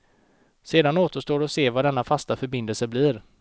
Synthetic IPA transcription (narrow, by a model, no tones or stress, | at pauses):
seːd̪anoːt̪əʂʈoːɾɔseːvaɖɛnːafast̪afœɾbɪnd̪əlsəbliːɾ